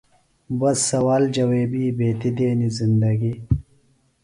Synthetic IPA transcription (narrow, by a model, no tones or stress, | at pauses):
bɐsːɐwaːld͡ʑɐweːbiːbeːt̪id̪eːnizind̪ɐɡi